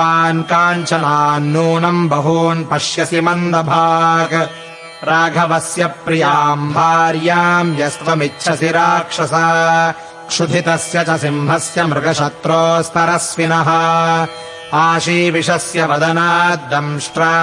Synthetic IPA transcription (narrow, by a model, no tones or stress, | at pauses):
aːnkaːnt͡ʃɐnaːnːuːnɐmbʱɐɦuːnpɐʂjɐsimɐnd̪ɐbʱaːɡ | ɾaːɡʱɐʋɐsjɐpɾijaːmbʱaːɾjaːmjɐsʋɐmitːʃʰɐsiɾaːkʂɐsaː | kʂud̪ʱit̪ɐsjɐt͡ʃɐsimɦɐsjɐmɾɐɡɐʃɐt̪ɾoːst̪ʰɐɾɐsʋinɐɦɐ̆ | aːʃiːʋiʂɐsjɐʋɐd̪ɐnaːd̪ɐmʂʈɾa